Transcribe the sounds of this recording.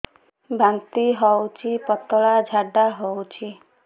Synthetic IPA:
bʱant̪iɦɔwt͡ʃʰipɔt̪ɔɭad͡ʒʱaɖaɦɔwt͡ʃʰi

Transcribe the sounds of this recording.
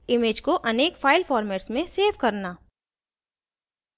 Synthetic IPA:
ɪmeːd͡ʒkoʔɐneːkfaːɪlfɔːɾmɛːʈsmẽseːʋkɐɾnaː

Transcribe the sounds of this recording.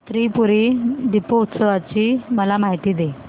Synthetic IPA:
t̪ɾipuɾiɖipout̪səʋat͡ɕiːməlamaɦit̪iːd̪e

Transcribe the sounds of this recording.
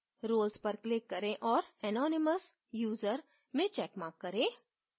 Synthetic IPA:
ɾoːlspɐɾklɪkːəɾẽʔɔːɾɛnɔːnɪməs | juːzəɾ | mẽt͡ʃɛːkmãːkːəɾẽː

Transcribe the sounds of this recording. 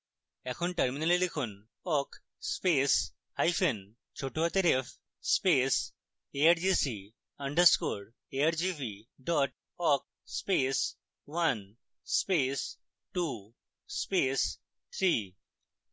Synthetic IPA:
ɛkʰonʈɐɾminalelekʰun | ɔk | spes | hajfʰen | t͡ɕʰoʈuɦat̪eɾefʰ | spes | eaɾd͡ʑisi | ɐɳɖəɾskoɾ | eaɾd͡ʑipiɖɔʈ̚ | ɔk̚ | spes | wan | spes | ʈu | spes | t̪ʰɾi

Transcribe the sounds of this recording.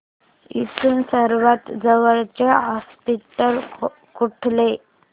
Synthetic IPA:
isuːnsəɾʋat̪d͡zəʋəɭt͡ɕeɦɔspiʈəl | kuʈʰle

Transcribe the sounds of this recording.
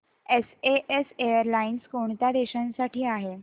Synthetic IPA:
eseʔesejəɾlainskoɳt̪ad̪eɕənsaʈiːaɦe

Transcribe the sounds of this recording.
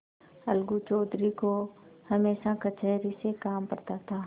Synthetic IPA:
ɐlɡut͡ʃɔːd̪ɾikohɐmeːʃakət͡ʃɛːɾisekaːmpɐɾt̪at̪ʰaː

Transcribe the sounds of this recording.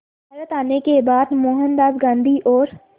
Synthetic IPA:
bʱaɾət̪aːnekebaːd̪moːɦə̃nd̪aːbɡãːnd̪ʱiʔɔːɾ

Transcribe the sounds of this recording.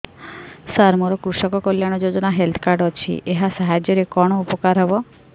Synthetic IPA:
saɾmɔɾɔkɾusɔkɔkɔljaɽ̃ɔd͡ʒod͡ʒɔnaɦelt̪ʰɔ̥kaɾɖɔt͡ʃʰḭʔeɦasaɦad͡ʒjɔɾekɔɽ̃ɔupɔkaɾɦɔbɔ

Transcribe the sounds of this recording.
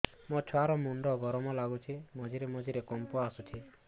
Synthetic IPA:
mɔt͡ʃʰɔaɾɔmuɳɖɔɡɔɾɔmɔlaɡut͡ʃʰimɔd͡ʒʱiɾemɔd͡ʒʱiɾekɔmpɔasut͡ʃʰi

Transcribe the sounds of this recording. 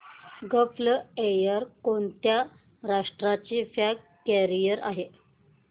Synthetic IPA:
ɡəflejəɾkoɳt̪ja | ɾaʂʈɾat͡ɕifjak | kːɛɾijəɾʔa̰ɦe

